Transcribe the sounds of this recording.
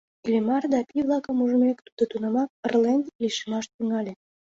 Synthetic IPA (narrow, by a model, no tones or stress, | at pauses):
ilʲemɑrd̪ɑpʲiβlɑkəmuʒəmekt̪ud̪̥ət̪unɑmɑk̚ərlend̪liʃemɑʃt̪yŋɑlʲe